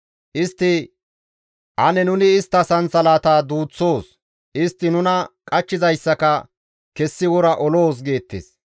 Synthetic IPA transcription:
ʔɪst̪ːɪ | ʔɐnɛnʊnɪɪst̪ːɐsɐnt͡sɐlaːt̪aːd̪uːt͡sːo̞ːs | ʔɪst̪ːɪnʊnɐkʼɐt͡ʃːɪzɐjsːɐkɐ | kɛsːɪwɔɾɐʔɔloːs̬ɡe̞ːt̪ːḛːs

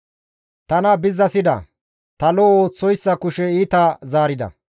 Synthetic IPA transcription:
t̪ɐnɐbɪzːɐsɪd̪ɐ̰ | t̪ɐloːoːt͡sːɔjsːɐkʊʃɛiːt̪ɐzaːɾɪd̪ɐ̰

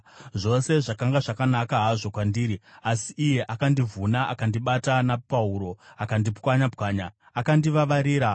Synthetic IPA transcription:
ʐo̞se̞ʐakaŋɡaʐakanakaɦaʐo̞kwandiːɾiasiʔːje̞ʔakandivunaʔa̰kandiɓatanapauɾo̞akandipkwaɲapkaːɲaː | kandiʋaʋaɾiːɾa

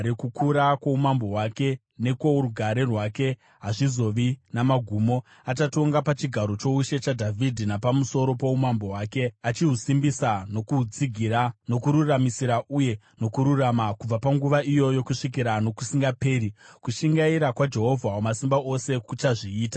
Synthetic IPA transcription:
ɾekukuɾakwoumambo̞ɦwake̞ | ne̞kouɾuɡʱaɾerwaːke̞ | ɦaʐizo̞ʋinamaɡʱuːmo̞ | at͡ʃato̞ŋɡapat͡ʃiɡʱaɾo̞t͡ʃo̞uʃe̞t͡ʃadʱavʱidʱinapamuso̞ɾo̞poumambo̞wake̞at͡ʃiɦusimbisano̞kut͡siɡʱirano̞kuɾuramisiɾaʔuje̞ | no̞kuɾuramakub͡vapaŋɡuʋaʔijo̞jo̞kuʂik̬iɾano̞kusiŋɡape̞ːɾikuʃiŋɡaiɾakwad͡ʒe̞ɦo̞vʱawomasimbaʔo̞se̞kut͡ʃaʐiːtḁ

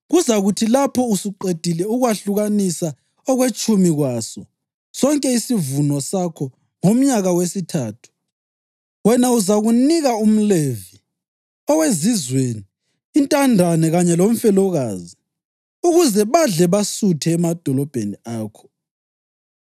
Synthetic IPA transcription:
ɣuzaɣutʰilapʰɔusiǃed̥ʱilɛuɣwaɬuɣanisa | ɔɣwet͡ʃʼumiɣwaːsɔ | sɔŋkʼɛisivunɔsakʰɔ | ŋom̩ɲaɣawesitʰaːtʰu̥ | wɛnauzaɣuniɣaum̩levi | ɔwezizweːniː | ntʼandʱanɛɣaɲɛlom̩fɛlɔɣaːzi | uɣuzɛβaɮɛβasutʰɛːmad̥ʱɔlɔb̥ʱeniaːkʰɔ̥

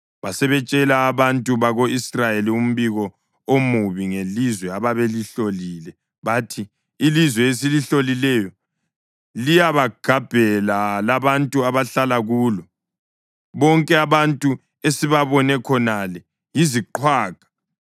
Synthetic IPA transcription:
βasɛβɛt͡ʃʼɛlaːβantʼuβaɣoisrajelium̩βiɣɔ | omuβiŋelizwɛaβaβeliɬoliːlɛ | βatʰiː | lizwɛesiliɬolilɛjɔ | lijaβaɡ̥ʱab̥ʱɛlalaβantʼuaβaɬalaɣuːlɔ | βɔŋkʼɛaβantʼu | esiβaβɔnɛkʰɔnalɛ | jiziǃʰwaːkḁ

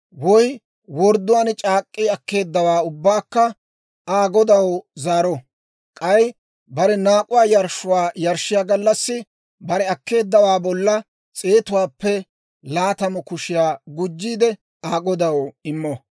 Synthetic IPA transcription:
wɔj | wɔɾd̪ʊwaːnt͡ʃʼaːkʼːiɐkːe̞ːd̪ːɐwaːʊbːaːkːɐ | aːɡɔd̪ɐwzaːɾɔ | kʼɐj | bɐɾɛnaːkʼʊwaːjɐɾʃʊwaːjɐɾʃːɪjaːɡɐlːɐsːɪ | bɐɾɛɐkːe̞ːd̪ːɐwaːbɔlːɐ | t͡sʼe̞ːt̪ʊwaːpːɛ | laːt̪ɐmɔkʊʃɪjaːɡʊd͡ʒːiːd̪ɛ | aːɡɔd̪ɐwɪmːɔ

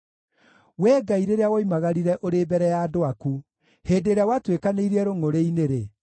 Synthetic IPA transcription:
wɛːɡaiɾeɾeawɔimaɣaɾiɾɛʔoɾeːbɛɾɛjaːdoaku | heːdeɾawatwekaneiɾiɛɾoŋoɾeineɾe

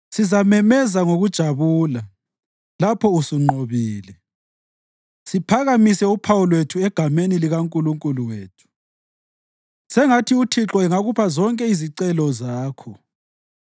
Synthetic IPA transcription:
sizamɛmɛzaŋoɣud̥ʒ̥ʱaβuːla | lapʰɔusuŋ͡ǃoβiːlɛ | sipʰaɣamisɛupʰawulwetʰuɛɡ̥ʱameniliɣaŋkʼuluŋkʼuluweːtʰu̥ | sɛŋatʰiutʰiǁɔɛŋaɣupʰazɔŋkʼɛiziǀɛlɔzaːkʰɔ

